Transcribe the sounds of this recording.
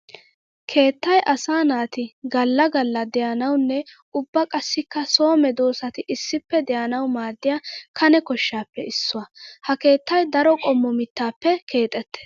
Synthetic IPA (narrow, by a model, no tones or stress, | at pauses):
kʰe̞ːt̪ːɐjʔɐsaːnaːt̪ɪɡɐlːɐɡɐlːɐd̪ɛjɐnɐwnːɛ | ʊbːɐkʼɐsːɪkːɐso̞ːmɛd̪o̞ːsɐt̪ɪʔɪsːɪpːɛd̪ɛjɐnɐwmaːd̪ːɪjakʰɐnɛkɔʃːaːpːɛ̰ɪsːʊwɐhɐke̞ːt̪ːɐjd̪ɐɾɔkʼɔmːɔmɪt̪ːaːpːɛkʰe̞ːt̪ʼːɛt̪ːɛ̥